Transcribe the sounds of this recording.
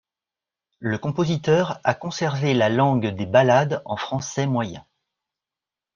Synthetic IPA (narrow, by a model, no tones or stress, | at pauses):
ləkɔ̃pozit̪œʁa̰kɔ̃sɛʁvelalɑ̃ɡd̪ebalad̪ɑ̰̃fχɑ̃sɛmwajɛ̰̃